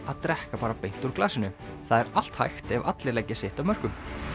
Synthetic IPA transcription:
aðt̪ɾɛhkapaːɾapejn̥t̪uɾklaːsɪnʏθaðɛɾal̥t̪ha̰jxt̪ɛva̰t̪lɪɾlɛjcːɪsɪht̪avmœr̥kʏm

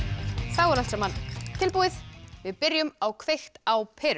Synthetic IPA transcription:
θawɛɾaltsamant̪ʰɪlpuːɪðvɪðpɪɾjʏmawkʰvejxt̪awpʰɛɾ

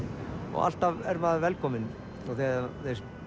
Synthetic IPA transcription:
ɔ̰ɣa̰l̥t̪avɛɾmaːðvɛlkʰɔːmɪn | ɔɣθɛðaθejs

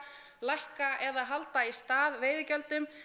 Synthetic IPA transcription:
lajhkaʔɛðaɦalt̪aist̪aːðveːjðɪcœlt̪ʏm

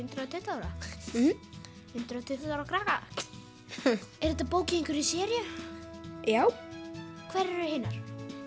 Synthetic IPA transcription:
ʏnt̪ɾɔt̪ʰʏht̪aːwɾa | hʏnt̪ɾaɔt̪ʰʏht̪ːawɾakɾaːka | ɛɾɛt̪ːapoːwcɪiŋkʰvʏɾisɛːɾjʏ | jaːw | kʰvɛɾɛɾʏhɪːnːaɾ̥

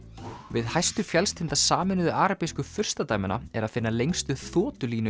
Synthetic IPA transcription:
vɪðhajst̪ʏfjɛlst̪ʰɪnt̪asaːmɪnʏðʏʔaːɾapejskʏfʏr̥st̪at̪aːjmɪna̰ɛɾaðfɪnːalejŋst̪ʏθɔːt̪ʏliːnʏ

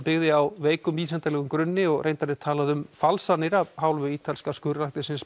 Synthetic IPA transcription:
pɪɣðɪawveːjkʏmviːsɛnt̪alɛɣʏmkɾʏnːɪɔɣɾʔejnt̪anɪt̪ʰaːlaðʏmfalsanɪɾaɦaːwlvʏiːt̪ʰalɪskaskʏːɾlahk̪nɪsɪns

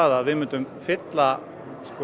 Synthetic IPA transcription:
aðːðʋɪmʏ̃nt̪ʏmfɪt̪la | skɔ

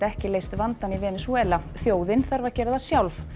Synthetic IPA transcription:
ɛhcɪleːjst̪vant̪anivɛːnɪswɛːlaθjoːwðɪnθaɾvaɾcɛːɾɪðasjawlf

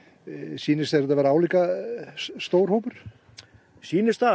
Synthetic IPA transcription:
siːnɪseɾt̪avaɾaːwliːka | st̪owɾ̥hoːwpʏɾ̥ | siːnɪst̪a

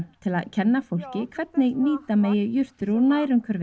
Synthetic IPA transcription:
t̪ʰɪlaðcʰɛnːafowl̥cɪkʰvɛt̪nɪɣniːt̪ameːjɪjʏr̥t̪ʏɾɔɾnaːjɾʏŋkʰœɾv

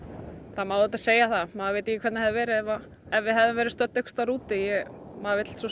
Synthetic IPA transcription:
θamaːwðɪt̪aseːjaθamaːðavejt̪ɪcɪkʰvɛt̪nhɛðɪvɛːɾɪɛva | ɛvvɪðɦɛvðʏmvɛɾɪst̪œt̪œkst̪aɾuːt̪ɪjɛɣmaːðavejt̪l̥sɔ

